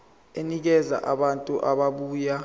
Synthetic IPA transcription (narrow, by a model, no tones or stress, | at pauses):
enik̬ɛza̰ʔaɓantʼuʔaɓaɓuːja